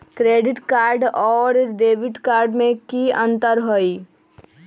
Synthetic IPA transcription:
kɾeɖiʈkaɾɖɔːɾɖebiʈkaɾɖmẽkiə̃nt̪əɾɦoj

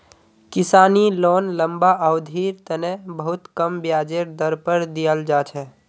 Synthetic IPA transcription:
kɪsaːnilɔːnləmbaʔwd̪ʱiɾt̪ənẽbəɦut̪kəmbjad͡ʒeɾd̪əɾpəɾd̪ijəld͡ʒaːt͡ʃʰɛ

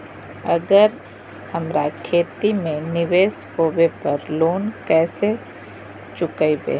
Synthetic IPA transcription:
ɐɡəɾ | hɐmɾakʰeːt̪imẽnɪʋeːshoːwepɐɾloːnkɛːse | t͡ʃʊkəibḛː

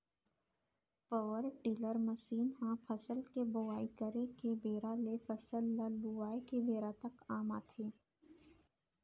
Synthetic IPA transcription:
pəʋəɾʈiːləɾməʃiːnɦãpʰəsəlkebʊʋaːikəɾekebeːɾalefʰəsəlːaluaːekebeːɾat̪ɐkaːma̰ːt̪ʰeː

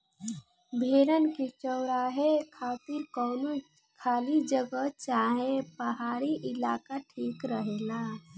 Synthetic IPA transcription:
bʱeɾənket͡ʃəɾaɦekʰat̪iɾkɔːno | kʰaːlid͡ʒəɡət͡ʃaɦepəɦaɾiʔɪlaːkaʈʰiːkɾəɦɛna

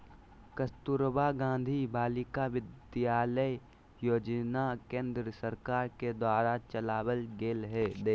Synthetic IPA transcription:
kəst̪uɾbaɡãːnd̪ʱibaːlɪkaʋɪd̪jaːlə | joːd͡ʒnakẽːnd̪ɾəsəɾkaːɾked̪waːɾat͡ʃəlaːwəlɡeːlɦɛd̪e

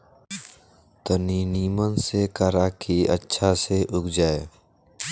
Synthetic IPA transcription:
t̪əniniːmənsekəɾakʰiətːʃʰaseʔʊkd͡ʒaːeː

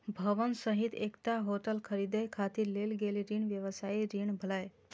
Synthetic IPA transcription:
bʱəʋənsəɦit̪ekt̪aɦoʈəlkʰəɾid̪əjkʰat̪iɾlelɡeliɾiɳʋjəʋəsaiɾiɳ̃bʱəlaj

